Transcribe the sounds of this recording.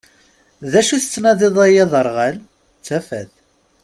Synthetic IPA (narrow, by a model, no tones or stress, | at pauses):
ðæʃuθət͡sːnɑðˤeðˤæjɑðˤəɾˤʁæl | t͡sːæfæð